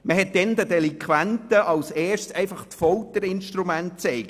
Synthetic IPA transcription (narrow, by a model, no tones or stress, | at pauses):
məɦɛt̚d̥ɛnd̪ədɛliŋkχʋæntəʔɑʊseːʃsɛɪfɑχt͡sfɔlt̪əɾɪnʃtɾumæntt͡sɛɪk